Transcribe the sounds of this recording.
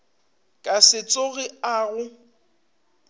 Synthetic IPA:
kʼasɪt͡sʼoɣɪaɣʊ

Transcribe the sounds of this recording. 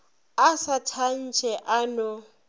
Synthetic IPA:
asatʰan̩t͡ʃʰʼɛʔanɔ

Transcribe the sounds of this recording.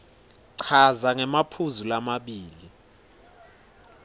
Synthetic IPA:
ǀʰazaŋɛmapʰuzulamaɓiːli

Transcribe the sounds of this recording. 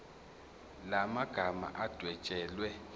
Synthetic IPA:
lamaɡ̥ʱama̰ʔad̥ʱwɛt͡ʃʼɛːlwɛ

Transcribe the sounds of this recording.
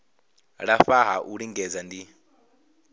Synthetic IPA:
ɺafaɦaʔuɺiŋɡɛd͡zandi

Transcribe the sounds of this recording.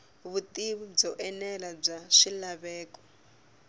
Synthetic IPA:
βutʼiβub͡ʐɔʔɛnɛlab͡ʐaʃilaβɛːkʼɔ̥

